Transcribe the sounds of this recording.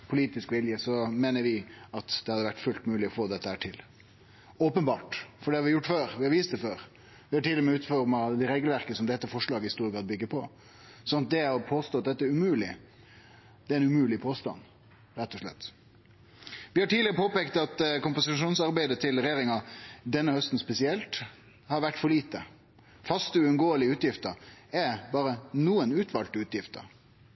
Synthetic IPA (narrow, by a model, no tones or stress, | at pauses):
pʰʊliːt̪ɪskʋɪljəsɔmeːnəɾʋɪɑt̪d̪̥ɛhɑd̪əʋæʈːfʉlt̪mʉːlɪɔfoːd̪ɛt̪ːəhæːʈʰɪl | oːpənbɑːʈfɔɖɛhɑɾʋɪjʊʈːføːɾʋɪhɑɾʋiːst̪̚d̪ɛføːɾ | ʋɪhɑʈɪlʊmɛʉːt̪fɔɾmɑd̪ɛɾeːɡəlʋæɾkəsɔmd̪ɛt̪ːəfɔʂɭɑːɡəɪhɪst̪uːɾəɡɑd̪̚bʏɡːəpʰɔ | sɔnɑt̪̚d̪ɛɔpʰoːst̪oːɑt̪̚d̪ɛt̪ːəæɾʉmʉːlɪ | d̪ɛæɾɛnʉmʉːlɪpʰoːst̪ɑ̰n | ɾɛt̪ːɔʂɭɛ̰t̪ː | ʋɪhɑʈiːlɪəɾəpʰoːpekt̪ɑt̪kʊmpʊsɪʂuːnsɑɾbæɪd̪ət̪ʰɪlɾɛjeːɾɪŋɑd̪ɛnːəhœst̪n̩spɛsɪɛlt̪ | hɑɾʋæʈːfɔɾɭiːt̪ə | fɑst̪əʉʉnɡoːəlɪʉːt̪jɪft̪əɾɛbɑːɾənuːənʉːt̪ʰʋɑlt̪ʉːt̪jɪft̪ə̰ɾ